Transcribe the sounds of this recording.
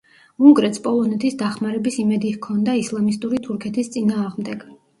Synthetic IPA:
uŋɡɾɛt̪spʼɔlˠɔnɛt̪ʰisd̪aχmaɾɛbisimɛd̪ihkʰɔnd̪aislˠamist̪ʼuɾit̪ʰuɾkʰɛt̪ʰist̪sʼinaːʁmd̪ɛɡ̥

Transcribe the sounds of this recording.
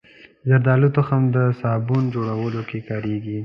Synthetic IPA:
zaɾd̪ɑlut̪oxamd̪əsɑbund͡ʒoɽawəlokekɑɾeɡi

